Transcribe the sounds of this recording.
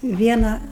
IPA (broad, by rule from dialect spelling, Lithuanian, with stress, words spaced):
ˈʋʲiɛnɐ